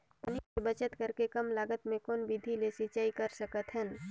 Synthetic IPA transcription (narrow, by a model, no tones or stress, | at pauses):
p̪ɐniebət͡ʃət̪kɐɾkekɐmlaːɡət̪mẽkoːnʋid̪ʱilesit͡ʃaːikɐɾsəkət̪ɦə̃n